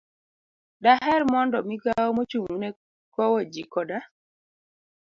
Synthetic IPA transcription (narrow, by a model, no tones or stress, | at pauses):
daɦɛɾmɔndɔmiɡaomot͡ʃuŋunɛ | kɔwɔd͡ʒikɔda